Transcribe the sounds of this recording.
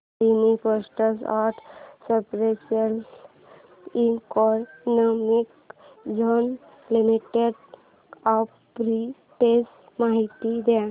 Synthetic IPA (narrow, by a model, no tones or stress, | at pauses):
inipəsʈəsaʈʰsepɾesəl | iŋkɔɾnəmik | d͡ʒon | limiʈeɖ | ap | pɾi | ʈes | maɦit̪id̪ɛ